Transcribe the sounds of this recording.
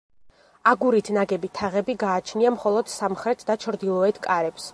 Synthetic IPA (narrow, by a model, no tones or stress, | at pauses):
aɡuɾit̪ʰnaɡɛbit̪ʰaʁɛbiɡaːt͡ʃʰniamχɔlˠɔd̪̥samχɾɛt̪ʰd̪at͡ʃʰɾd̪ilˠɔɛt̪ʰkʼaɾɛps